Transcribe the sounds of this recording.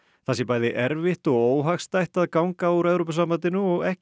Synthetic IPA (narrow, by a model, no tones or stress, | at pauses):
θasjɛpaːjðɪʔɛɾvɪht̪ɔɣoːwɦaxst̪ajht̪aðkawŋkauɾɛvɾopʏsaːmant̪ɪnʏɔɣɛh